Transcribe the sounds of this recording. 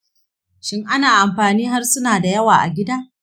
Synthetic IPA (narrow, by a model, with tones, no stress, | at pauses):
ʃɪ˦ŋʔa˦naː˨ʔa˨mɸaː˨niː˦ɦa˦rsʊ˦naː˨da˨jɐ˦waː˨ʔa̰˨ɡʲɪ˦daː˦